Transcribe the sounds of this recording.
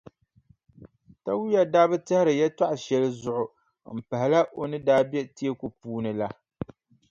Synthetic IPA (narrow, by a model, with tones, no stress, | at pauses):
ta˦wu˦ja˦˨daː˦bɨ˦tɨ˦hɪ˦ɾɨ˨jɛ˦twa˦ʔʊ˨ʃɛ˦lɨ˦zʊ˦˨ʔʊ˨ | m̩˨pa˨hɪ˨la˦ʔo˨nɨ˦daː˦bjɛ˦ti˦e˦ko˨puː˦nɨ˨la˦